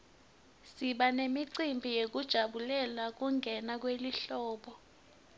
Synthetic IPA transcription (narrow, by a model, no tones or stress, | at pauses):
siɓanemiǀimbʱijek̬ud̥ʒ̥ʱaɓulɛlak̬uŋɡʱɛnak̬weliɬɔːɓɔ